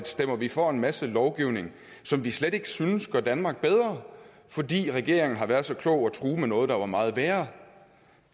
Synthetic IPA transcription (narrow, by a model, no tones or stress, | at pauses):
d̥sd̥em̰ɐʋifɒe̝nmæsəlɒʊɡ̥iʊne̝ŋ | sɒ̽mʋisleɾ̥e̝ɡ̥ə̥synəsɡ̥ɶɐd̥ænmɑ̈ɡ̥̚b̥eð̞ˠʁɐ | fɒ̽d̥ḭːʁɛɡ̥e̝ɐ̰e̝ŋn̩ɦɑ̈ʋæɐðˠsɒ̽kʰlɔ̽ʊ̰æt͡sʰʁuːmenɔ̽ːð̩ˠd̥ɑ̈ʋɑ̈mɑ̈ːð̞̩ˠʋæːɐ